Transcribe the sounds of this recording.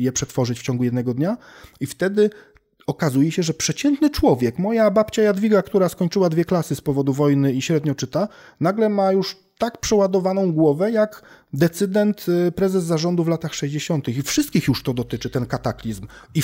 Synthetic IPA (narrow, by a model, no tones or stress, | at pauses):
jɛpʂɛt̪fɔʐɘt͡ɕft͡ɕɔ̃ŋɡujɛd̪nɛɡɔd̪ɲa | ift̪ɛd̪ɘ | ɔkazujɛɕɛʐɛpʂɛt͡ɕɛnt̪nɘt͡ʂwɔvʲjɛkmɔjabapt͡ɕajad̪vʲiɡakt̪uɾaskɔɲt͡ʂɘwad̪vʲjɛklasɘspɔvɔd̪uvɔjnɘiɕɾɛd̪ɲɔt͡ʂɘt̪a | naɡlɛmajuʂ | t̪akpʂɛwad̪ɔvanɔ̃w̃ɡwɔvɛjak | d̪ɛt̪sɘd̪ɛnt̪pɾɛzɛzːaʐɔnd̪uvlat̪axʂɛʑd͡ʑeɕɔnt̪ɘxifʂɘst̪kʲixjuʂt̪ɔd̪ɔt̪ɘt͡ʂɘt̪ɛnkat̪aklʲizmi